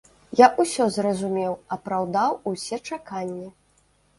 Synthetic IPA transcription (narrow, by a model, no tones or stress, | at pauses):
jaʔusʲɔzrɐzumʲɛwɐpɾawd̪awusʲɛt͡ʂakanʲːi